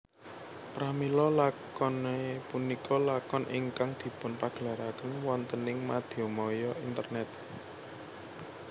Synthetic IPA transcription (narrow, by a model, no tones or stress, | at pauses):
pɾamilɔlakɔnepunikʰɔlakɔnʔɪŋkaŋd̪̥i̤pʊnpaɡ̥əlaɾakənwɔnt̪ənɪŋmad̪̥iomɔjɔint̪ərnɛt̪̚